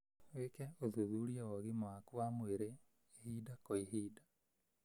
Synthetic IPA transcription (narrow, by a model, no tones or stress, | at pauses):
wekɛoðuðuɾiawɔɣimoakuamoeɾe | hiːdakoiɦiːda